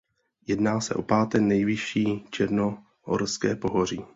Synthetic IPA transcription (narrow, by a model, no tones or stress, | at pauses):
jɛdnaːsɛ̰ʔo̞paːt̪ɛknɛjvɪʃiːt͡ʃɛɾno | ʔo̰ɾskɛːpo̞ɦor̝iː